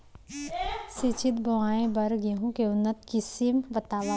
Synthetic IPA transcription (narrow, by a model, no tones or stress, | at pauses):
sɪt͡ʃɪt̪̚bʱoaːẽbɐɾɡeɦũkeʊnːət̪kisimbət̪aːʋa